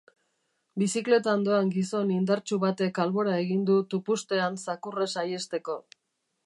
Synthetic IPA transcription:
bisikle̞t̪aond̪o̞aŋɡiso̞nind̪aɾt͡ʃuβat̪e̞kalβo̞ɾae̞ɣind̪ut̪upust̪e̞ansakure̞saje̞st̪e̞ko̞

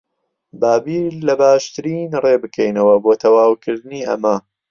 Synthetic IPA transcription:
baːbiːlɐbaːʃt̪ɨɾiːnreːbɨkʰejnɐwɐboːt̪ʰɐwaːwkʰɨɾd̪ɨniːʔɐ̰mɐ

